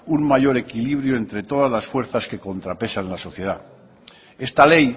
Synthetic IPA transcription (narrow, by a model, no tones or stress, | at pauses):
uŋmajo̞ɾe̞kiliβ̞ɾjoe̞nt̪ɾe̞t̪o̞ð̞azlasfwe̞ɾθaske̞ko̞nt̪ɾape̞sanlaso̞θje̞ð̞a | e̞st̪ale̞j